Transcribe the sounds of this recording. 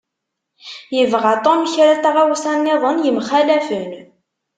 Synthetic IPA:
jəvʁat̪ˤomçɾæt̪aʁawsænːɪðˤənjəmχælæfən

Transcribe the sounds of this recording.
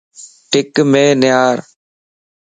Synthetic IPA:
ʈɪkmẽːnɪjaːɾ

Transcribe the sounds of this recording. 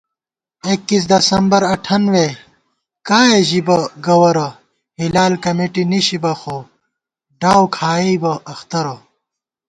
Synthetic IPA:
ikːis̬d̪ɐsɐmbɐɾɐʈʰɐnwe | kaːeʑibɐɡɐwɐɾɐ | hilaːlkɐmeːʈiniɕibɐxo | ɖaːwkʰaːibɐɐxt̪ɐɾɐ

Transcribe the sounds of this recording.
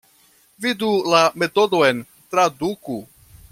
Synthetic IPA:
vidulame̞to̞do̞e̞n | tɾaduku

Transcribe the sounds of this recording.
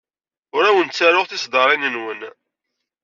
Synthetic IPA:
ʊɾæwənt͡sːaɾʊʁθɪsd̪ɑɾˤinənwən

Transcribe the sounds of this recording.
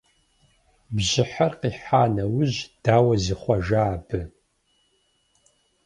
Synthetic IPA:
bʑɪħarqiːħaːnɐwʊʑd̥aːwɐzɨχʷɐʒaːbɨ

